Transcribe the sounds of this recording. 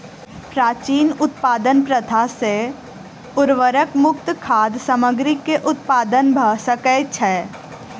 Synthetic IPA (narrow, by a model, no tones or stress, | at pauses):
pɾaːt͡ʃiːnʊt̪paːd̪ənpɾət̪ʰase | ʊɾʋəɾəkmʊkt̪kʰaːd̪səməɡɾikːeʔʊt̪̚paːd̪ənbʱəɦsəkət͡ʃʰɛː